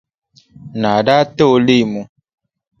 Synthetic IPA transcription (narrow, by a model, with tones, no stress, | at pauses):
nã˨ɖa˦t̪e˦wo˨le˦i˨mũ˨